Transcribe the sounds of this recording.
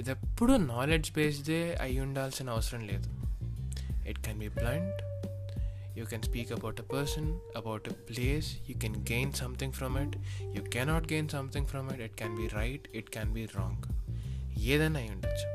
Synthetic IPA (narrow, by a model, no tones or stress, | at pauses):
d̪əpʊɾənɔːled͡ʒpeːsd̪eːa̰jũɳɖalsɪ̃naːsɾə̃nlḛːd̪o | ɪʈkɛ̃nbiːblãɳɖ | juːkɛ̃nspiːkɐbaʊʈepəɾsə̃nɐbaʊʈepleːsjuːkɛ̃nɡẽːnsʌ̃mt̪ʰɪ̃ŋfɾɔ̃mɪʈjuːkɛnɔːʈ̚ɡẽːnsʌ̃mt̪ʰɪ̃ŋfɾɔ̃mɪʈɪʈ̚kɛ̃nbiːɾaɪʈɪʈkɛ̃nbiːɾɔ̃ːŋɡ | jed̪ɛ̃najũɳɖals